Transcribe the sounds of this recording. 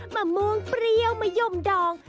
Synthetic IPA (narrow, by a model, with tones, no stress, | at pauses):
maː˨˩mu˧əŋpɾi˧əwma˨˩jo˧˩mdɔː˨˩ŋ